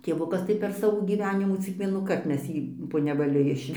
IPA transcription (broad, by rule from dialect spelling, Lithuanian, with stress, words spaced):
tʲeːˈʋʊkɐs tɐɪ pʲɛr ˈsɑːʋoː ɡʲiːˈʋʲæːnʲɪmɑː t͡sʲɪk ˈʋʲiɛnuːkɐrt ˈmʲɛs ˈjiː poː nʲɛʋɐˈlʲʊ ˈɪʃʲʋʲɛʒʲeːm